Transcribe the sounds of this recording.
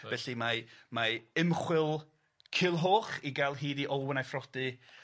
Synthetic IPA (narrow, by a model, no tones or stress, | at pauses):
bɛɬimamaɪmχwɪlˠ | kʰɪlˠɦoːχiɡalˠɦiːdiʔɔlˠwənajfrɔd̥ɨ